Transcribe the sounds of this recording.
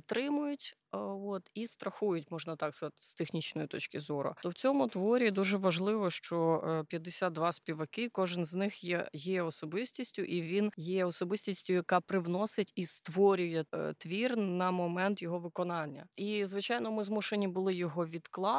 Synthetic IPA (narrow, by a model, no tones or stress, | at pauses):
t̪ɾɪmʊjʊtʲ | ɔt̪ist̪ɾɐxujʊtʲmɔʒnɐt̪ɑkskɐzɑt̪ʲst̪exnʲit͡ʃnɔjit̪ɔt͡ʃkʲɪzɔɾʊ̰t̪ɔwt͡sʲɔmʊt̪ʋɔɾʲid̪uʒɛʋɐʒlˠɪʋɔʃt͡ʃɔpʲjɐd̪ːesʲad̪̚d̪ʋɑspʲiʋɐkɪkɔʒɪnznɪxjɛjɛɔsɔbɪsʲtʲisʲtʲʊʔiʋʲinjɛɔsɔbɪsʲtʲisʲtʲʊjɐkɑpɾɪwnɔsɪtʲist̪ʋɔɾʲʊjɛt̪ʋʲirnɐmɔmɛnt̪jɔɦɔʋɪkɔnɑnʲːɐ̰izʋɪt͡ʃɑjnɔmɪzmuʃenʲibʊlˠɪjɔɦɔʋʲid̪klˠɑ